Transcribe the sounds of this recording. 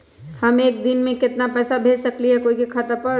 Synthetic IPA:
hɐmeːk̚d̪ɪnmẽkɪt̪napɛːsabʱeːd͡ʒsɐkliɦɛkoːikikʰɐt̪apəɾ

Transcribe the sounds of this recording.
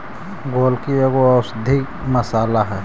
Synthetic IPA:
ɡoːlkieːɡoaʊsd̪ʱik | məsaːlaɦɛː

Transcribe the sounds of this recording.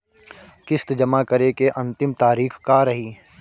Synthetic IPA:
kɪst̪d͡ʒɐmakɐɾekeʔɐ̃nt̪ɪmt̪aːɾiːxkaɾɐɦiː

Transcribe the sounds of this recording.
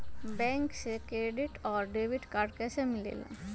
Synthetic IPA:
bɛ̃ːŋksekɾeːɖɪʈɔːɾɖeːʋɪʈkaːɖkesemɪlḛːlã̰

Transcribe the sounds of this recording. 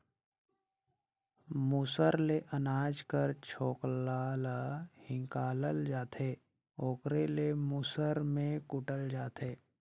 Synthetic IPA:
musəɾleʔənaːd͡ʒkəɾt͡ʃʰoːklaːlhɪ̃ŋkaːləld͡ʒaːt̪ʰeː | oːkɾelemusəɾmẽkʊʈəld͡ʒaːt̪ʰeː

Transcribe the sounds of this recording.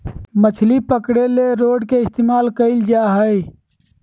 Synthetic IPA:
mət͡ʃʰlipəkɽeleɾoːɖkeɪst̪eːmaːlkəɪld͡ʒaːɦəi

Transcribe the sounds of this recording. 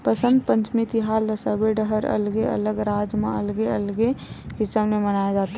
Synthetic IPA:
pəsə̃nd̪̚pə̃ɲt͡ʃmit̪iɦaːld̪əsəbeɖəɦəɾə̰lɡeə̰ləɡɾaːd͡ʒmã̰əlɡeəlɡekɪsəmnemənaːjad͡ʒaːt̪a

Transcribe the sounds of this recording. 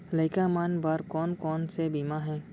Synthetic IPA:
ləɪkamaːnbaːɾkɔːnkɔːnsebiːmaɦɛ̃ː

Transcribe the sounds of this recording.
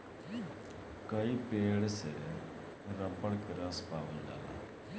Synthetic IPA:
kəiːpeːɽsɛ | ɾə̃mbəɽkɪɾãːspaːʋiːda̰ːla̰ː

